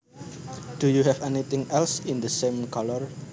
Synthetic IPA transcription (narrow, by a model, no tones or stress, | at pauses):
d̥ujuɦɛfɛnit̪ɪ̃ŋɛlsɪnd̪əsemkʰɔlɔr